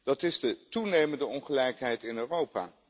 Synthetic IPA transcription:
d̥ɑtɪzdətunejməndəɔnχəlɛjkɦɛjtɪnøːrowpa̰ː

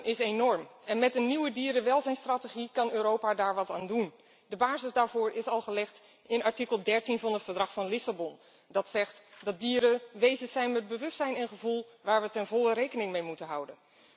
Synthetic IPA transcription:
nʔɪsejnɔɹmɛnmɛtəniwədiːɾəʋɛlˠzɛjnstrateχikɑnøːɾowpadaːɹʋɑtaːndun | dəbaːzɪsdaːɹvʊːɹʔɪsɑlˠχəlɛχt | ɪnɑɹtikəlˠdɛɹtinvɑnɦətfəɹdrɑχfɑnlɪsabɔn | dɑtsɛχtdɑt̚diːɾəʋejzənsɛjnmɛd̚bəʋɵstsɛjnɛnχəvulˠ | ʋaːɹʋətɛnvɔlərejkənɪŋmejmutənɦʌwdən

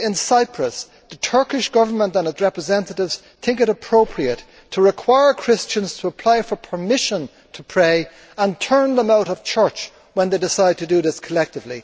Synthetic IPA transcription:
ɪ̃nsaɪpʰɹəs | ðətʰɜ˞kɪʃɡ̥ʌvə˞mə̃ntə̃nɨtsɹɛpɹəzɛ̃ntəɾɪvz̥ | θɪ̃ŋkɨɾəpʰɹ̥oʊpʰɹiətʰ | əɹɪkʰw̥aɪə˞kʰɹ̥ɪst͡ʃə̃nz̥tʰəːpʰl̥aɪfə˞pʰə˞mɪʃə̃n | tʰəpʰɹ̥eɪ | ə̃ntʰɜ̃˞nðə̃maʊɾʌv̥t͡ʃʰɜ˞t͡ʃ | wə̃nðeɪdɪsaɪd̚tʰədəðɪskʰəlɛk̚tɨvli

